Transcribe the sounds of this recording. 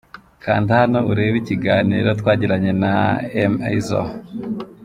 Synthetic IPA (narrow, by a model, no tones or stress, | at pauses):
kʰa̰ːndihano̞ʔuɾe̞ːβiciɡaːnḭɾotwaːɟiɾaɲe̞na̰ema̰izo̰